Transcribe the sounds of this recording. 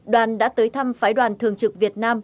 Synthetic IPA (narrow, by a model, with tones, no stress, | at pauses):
ɗwaː˨˩nɗa̰ː˧˥t̪əː˨˦jt̪ʰa˧mfaː˨˦jɗwaː˨˩nt̪ʰɨ˨˩əŋt͡ɕɨ˨˩k̚vi˨˩ət̚naː˧m